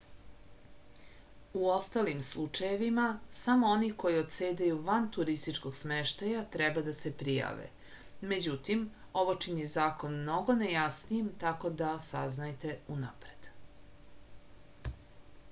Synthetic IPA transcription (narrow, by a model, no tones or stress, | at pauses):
uo̞st̪alimslˠut͡ʂaje̞ʋimasamooniko̞jiot̪seːd̪ajuʋant̪uɾist̪it͡ʂko̞ɡ̥smeʃt̪ajat̪ɾɛbad̪asepɾija̰ːʋḛ | med͡ʑut̪im | o̞ʋot͡ʃinjezaːkonmno̞ɡo̞nejasnijimt̪ako̞d̪asaznajt̪e̞unapɾed̪̥